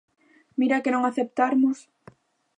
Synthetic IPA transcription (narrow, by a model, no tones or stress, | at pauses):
miɾakenõŋaθep̚t̪aɾmʊs